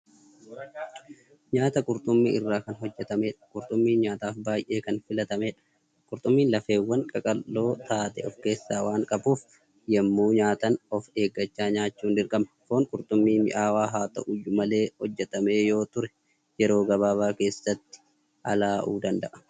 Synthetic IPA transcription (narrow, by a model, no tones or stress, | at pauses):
ɲaːt̪ɐkʼʊɾt̪ʼʊmːiːɪrːaːkɐnɦɔd͡ʒːɛt̪ɐmeːᶑɐ̥kʼʊɾt̪ʼʊmːiːɲaːt̪aːfbaːjʔe̞ːkɐnfɪlɐt̪ɐmeːᶑɐ̥ | kʼʊɾt̪ʼʊmːiːnlɐfe̞ːwːɐŋkʼɐkʼɐlːo̞ːt̪aːt̪ɛɔfke̞ːsːaːwaːŋkʼɐbuːf | jɛmːuːɲaːt̪ɐnɔfe̞ːɡːɐt͡ʃːaːɲaːt͡ʃːuːnd̪ɪɾkʼɐmɐ̥koːŋkʼʊɾt̪ʼʊmːiːmɪ̰ʔaːwaːɦaːt̪ɐ̰ʔʊjʊmɐle̞ːhɔd͡ʒːɛt̪ɐme̞ːjo̞ːt̪ʊɾɛ | jɛɾo̞ːɡɐβaːβaːke̞ːsːɐt̪ːɪ̥ | ʔɐlaːʔuːd̪ɐnd̪ɐʔɐ̥